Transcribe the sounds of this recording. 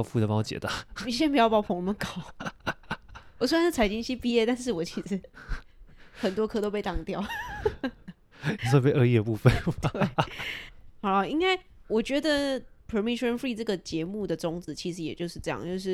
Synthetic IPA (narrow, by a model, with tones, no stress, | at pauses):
fu˥˧˩ə˨˩pɑ˥˩˧t͡ɕjɛ̰˨˩t̪a˥˩˧i˨˩˥ɕjɛ˥npu˧˥jɑ˥˩pɑ˥˩˨pʰŋnə˨˩mə˧˦nkɑ˨˦ʊ | wɔ˨˩swe˥˧˨nʂt͡sʰa˨˥ɪt͡ɕi˥nɕi˥pi˥ɛ˥˧t̪a˥˧nʂɻ̩˥˩wɔ˨˩t͡ɕʰi˧˥ʂɻ̩˧˥ | xə˨˩nt̪wɔ˥kʰɤ˥t̪o˥ʊpe˥˧ɪt̪ɑ˥˩ŋt̪jɑ˥˨ʊ˨ | sʰo˥˧pe˥˧ʔə˥˧jɛ˥˧pu˥˧fə˨˩we˥˩ɪ | xɑ˨˩ʊlə˧˦i˥ŋka˥˩ɪwɔ˨˩t͡ɕɥɛ˧˥d̪ə˨pʰə˨˧˩mi˥ʂə˧nfɹi˥˧ʈ͡ʂɤ˥˩ɡə˩t͡ɕjɛ˧˥mu˥˩d̪ə˩ʈ͡ʂʊ˥ŋt͡sɹ̩˧˦t͡ɕʰi˧˥ʂɻ̩˧˥jɛ˨˩t͡ɕjo˥˧ʊʂɻ̩˥˧ʈ͡ʂɤ˥˧jɑ̰˥˨ŋt͡ɕjo˥˧ʊʂ̬ɻ̩˥˩